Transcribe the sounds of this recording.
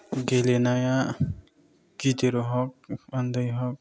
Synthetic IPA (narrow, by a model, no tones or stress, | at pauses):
ɡelenaja | ɡit̪eɾɔɦɔk̚ʌnd̪ʌjɦɔk̚